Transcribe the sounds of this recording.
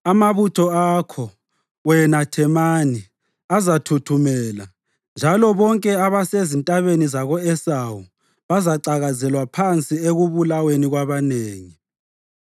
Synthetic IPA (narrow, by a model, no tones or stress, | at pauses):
amaβutʰɔakʰɔ | wɛnatʰɛmaːni | azatʰutʰumɛːla | nd͡ʒʱalɔβɔŋkʼɛaβasezintʼaβenizaɣɔɛsawu | βazaǀaɣazɛlwapʰant͡sʼieɣuβulaweniɣwaβaneːŋi